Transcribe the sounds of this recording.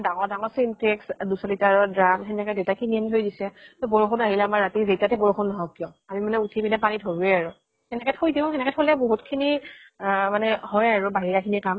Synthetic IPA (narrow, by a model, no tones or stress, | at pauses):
daŋɔɹdaŋɔsintɹɛksdusɔlitaɹɔdɹamxʰɛnɛkɛdewtakʰiniɛntʰojdisɛtɔboɹoxʰunaɦilɛːmaɹatizejtatɛbɔɹoxʰunːɔɦɔ̃kːiɔ̃ | amimanɛutʰibinɛpanidʱoɹuɛaɹʊ | ɛnɛkɛtʰojdiɔ̃xʰɛnɛkɛtʰolɛboɦutkʰini | manɛhɔjaɹubaɦiɹakʰinikam